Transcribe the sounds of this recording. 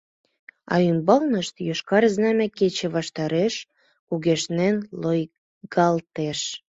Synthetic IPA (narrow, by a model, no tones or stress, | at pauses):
ɑ̰ymbɑlnəʃt̪jøʃkɑɾznɑmæket͡ɕĕβɑʃt̪ɑɾeʃ | kuɣeʃnenloj | ɡɑlt̪eʃ